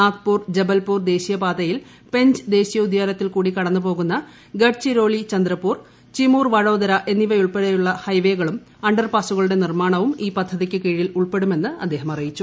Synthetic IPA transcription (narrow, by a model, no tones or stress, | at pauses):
aːt̪̚puːrd͡ʑebɐlpuːrd̪e̞ːɕijɐbaːd̪ɐjil | pe̞ɲd͡ʑɨd̪e̞ːɕijɐud̪ʱjaːlɐt̪ːilkuːɽikɐɽɐnːupo̞ːɣunːɐ | ɡɐʈt͡ɕiɾo̞ːɭit͡ɕɐnd̪ɾɐpːuːr | t͡ɕimuːrʋɐɻo̞ːd̪ɐɾɐʔe̞nːiʋɐjuɭpeɽɐjuɭːɐhɐjʋe̞ːɣɐɭum | ɐɳɖɐrpaːsuɣɐɭuɽe̞nirmaːɳɐʋumiːpɐd̪ʱːɐðikʲːɨkeːɻijiluɭpe̞ɽume̞nːɨɐ̰d̪ːe̞ːɦɐmɐrijit͡ɕːu